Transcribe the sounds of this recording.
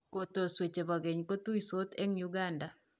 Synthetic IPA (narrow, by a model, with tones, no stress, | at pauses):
ko˨to˨swe˨t͡ʃe˨ba˨ɡɛ˨ɲko˦tu˦i˨so˦te˦ŋju˦ɡa˦nda˨